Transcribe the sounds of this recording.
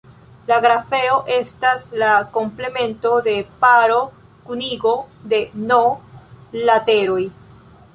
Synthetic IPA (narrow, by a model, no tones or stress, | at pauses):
laɡɾafe̞o̞ʔe̞staslako̞mple̞me̞nto̞de̞paɾo̞ | kuniɡo̞de̞no̞ | late̞ɾo̞j